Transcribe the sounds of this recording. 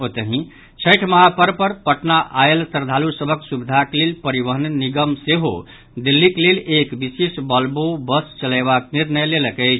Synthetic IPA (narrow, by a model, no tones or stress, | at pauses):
ot̪əɦĩ | t͡ʃʰəjʈʰməɦapəɾpəɾpəʈnaʔaelsəɾd̪ʱalusəbʱəksubid̪ʱaklelpəɾibəɦənəniɡəmseɦo̰ | d̪ilːiklelekbisesbəlbobəst͡ʃəlajbakniɾnəjleləkəɪt͡ʃʰ